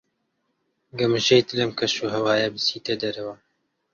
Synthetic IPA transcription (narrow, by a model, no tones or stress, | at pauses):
ɡɐmɨʒejt̪ɨlɛmkʰɐʃuːɦɐwaːjɛbɨsiːt̪ɛd̪ɐɾɐwa